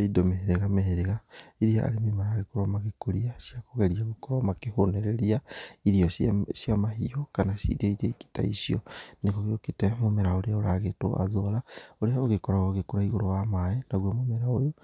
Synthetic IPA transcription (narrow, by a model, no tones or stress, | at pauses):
aidomeɦeɾeɣameheɾeɣaiɾiaa̰ɾemimaɾaɣekoɾomaɣekuɾiaʃjakoɣeɾiaɣukoɾamakehoneɾeɾiaiɾioʃʃjamahiokanaʃḭɾioiɾioiki̥ta̰ḭʃio̰nekoɣeokitemomeɾaoɾeaoɾaɣeto̰ʔa̰zolaoɾeaoɣekoɾaoɣekoɾaiɣoɾowamajenaɣwomomeɾaojo